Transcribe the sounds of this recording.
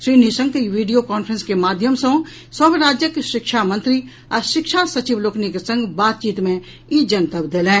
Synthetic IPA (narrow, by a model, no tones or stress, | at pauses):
ʃɾiːnisə̃ŋɡkiʋiːɖijokaːnpʰɾə̃nskemaːd̪ʱjəmsə̃ | səbɾaːd͡ʒjəkʃɪkʃamə̃nt̪ɾi | ɔɾʃɪkʃasɐt͡ʃiʋloːkʰnikesə̃ŋɡbaːt̪̚t͡ʃiːt̪mẽ | id͡ʒənt̪əbd̪eːlẽː